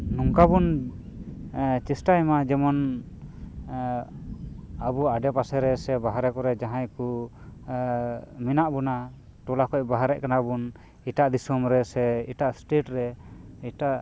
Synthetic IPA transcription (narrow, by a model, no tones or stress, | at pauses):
nuŋkabun | t͡ʃɛsʈajmad͡ʒɛmɔn | abuaɖɛpasɛɾɛsɛbaɦaɾɛkɔɾɛd͡ʒaɦãjku | minaʔbɔna | ʈɔlakɔcbaɦaɾɛ̰ʔkanabun | iʈaʔd̪isɔmɾɛsɛiʈaʔsʈeʈɾɛiʈaʔ